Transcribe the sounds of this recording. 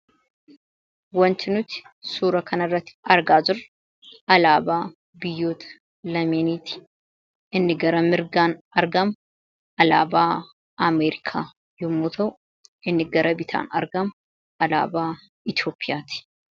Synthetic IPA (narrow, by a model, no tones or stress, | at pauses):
wɔnt̪ɪnʊt̪ɪ̥suːɾɐkʰɐnɐrːɐt̪ːɪ̥ɐɾɡaːzʊɾ | ɐlaːbaː | bɪjːoːt̪ | lɐmeːniːt̪ɪ̥ | ɪnːɪɡɐɾɐmɪɾɡaːn | ɐɾɡɐm | ɐlaːbaː | ɐmeːɾɪkʰaː | jɔmːuːt̪ʰɐw | ɪnːɪɡɐɾʔɐbɪt̪ʰa̰ːnɐɾɡɐm | ʔɐla̰ːbaː | ɪt̪oːpʰːɪjaːt̪ɪ̥